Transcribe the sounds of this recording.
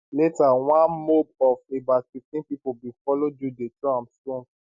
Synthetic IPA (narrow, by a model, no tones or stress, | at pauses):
letawãnmobɔfebafiftĩnpipobĩfɔlod͡ʒudetuãmstɔ̃ns